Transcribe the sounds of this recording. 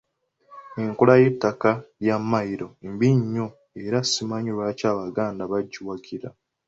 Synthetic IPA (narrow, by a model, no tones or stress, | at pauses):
eŋkulaje̞tːakajamːajiɾo̞embiɲːo̞ | eɾasimaɲuɾwacaːβaɡaːndaβaɟːuwaɡiɾa